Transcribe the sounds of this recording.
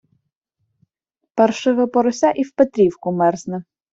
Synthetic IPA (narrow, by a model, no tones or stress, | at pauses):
pɛrʃɪʋɪpɔɾɔsʲaʔiwpet̪ɾʲiwkʊmɛrznɛ